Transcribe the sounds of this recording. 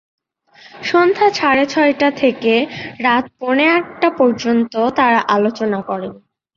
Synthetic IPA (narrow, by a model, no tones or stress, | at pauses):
ʃond̪ʱat͡ɕʰaɾet͡ɕʰɔeʈat̪ʰekeɾat̪̚pɔɽ̃eaʈʈapɔɾd͡ʑont̪ot̪aɾaʔalot͡ɕonakɔɾen